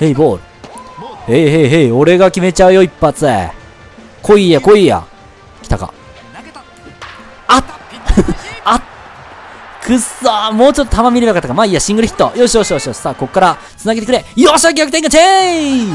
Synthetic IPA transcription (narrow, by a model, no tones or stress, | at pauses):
heiboːɾɯ | heɦeɦeo̞ɾe̞ɡakʲime̞t͡ɕaɯ̟jo̞ipːat͡sɨḛ | kʰoijakoija̰ | kʲi̥t̪aka̰ | a | a | kʰɯsamo̞ːt͡ɕo̞t̪ːot̪ʰamamʲiɾiakat̪ːakamaiaɕĩŋɡɯɾ̟çi̥t̪ːojoːɕijoːɕijoɕijoːɕi̥saːko̞kkːaɾa | t͡sɨnaɡet̪ekɯɾe̞ioɕiak̬ʲakɯ̥eŋɡat͡ɕe